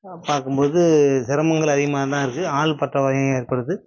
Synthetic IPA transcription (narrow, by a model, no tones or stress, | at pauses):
paːɾkɯmpoːðɯsɪɾɐmɐŋɡɐɭɐðɪɣɐmaːt̪ãːɪɾɯkːɯaːɭpɐʈrɐʋaːjɐ̃eːɾpɐɽɯðɯ